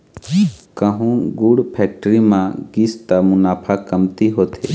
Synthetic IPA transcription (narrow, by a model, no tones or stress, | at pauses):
kəɦũɡuɽpʰɛːk̚ʈəɾimãɡist̪amʊnaːpʰakəmt̪iɦoːt̪ʰe